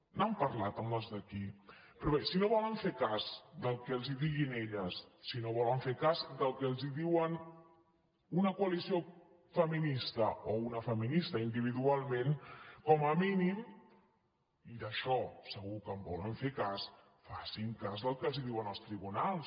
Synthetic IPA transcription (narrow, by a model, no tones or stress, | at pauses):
nampəɾlat̪əmləzðəkipɾɔβesinoβɔləɱfekazd̪əlˠkɛəlˠziðiɣineʎəsːinoβɔləɱfekazd̪əlˠkɛəlˠziðiwən | unəkuəlisio | fəminist̪əounəfəminist̪əind̪iβ̞iðualˠmẽnkɔməminim | iðəʃɔsəɣukəmbɔ̰lə̰ɱfekas | fasiŋkazðəlˠkɛəlˠziðiwənəlˠst̪ɾiβunalˠs